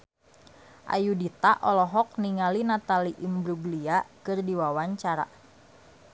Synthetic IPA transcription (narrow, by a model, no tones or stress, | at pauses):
ʔa̰judit̪aʔɔlɔɦɔk̚niŋalinat̪aliʔimbɾubliakɨrdiwawaɲt͡ʃaɾa̰